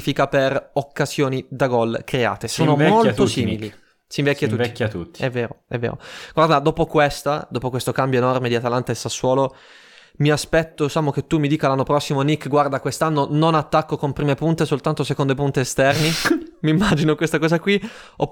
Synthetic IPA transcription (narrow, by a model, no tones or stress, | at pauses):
fikaperokːaz̥joːnid̪aɡɔlkɾea̰ːt̪esoːnomolt̪otsiːmili | siɱvɛkkːat̪ːuit̪ːut̪ːi̥ɛvːeːɾoɛ̰vːḛːɾo̰ɡ̥ward̪ad̪ɔːpokwest̪ad̪ɔːpokwest̪okambjoenɔrmed̪iat̪alant̪aesːasːwɔːlo | miaspɛt̪ːosaːmoket̪ːumːid̪iːkalanːopɾɔsːimonikːɡward̪akwest̪anːononat̪ːakːokompɾiːmepunt̪esolt̪ant̪osekond̪oepunt̪eːst̪ɛrnimimːad͡ʒinokwest̪akɔːzakwi | o